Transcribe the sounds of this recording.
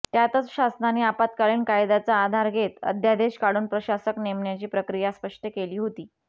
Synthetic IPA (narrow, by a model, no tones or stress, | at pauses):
t̪jat̪ət͡sɕasnaneːapat̪kaɭiːnkajd̪at͡saːd̪ʱaɾɡʱet̪ə̰d̪ʱjad̪eɕkaɽuːnpɾəɕasəknemɳjat͡ɕiːpɾəkɾijaspəʂʈʰəkeliːɦot̪iː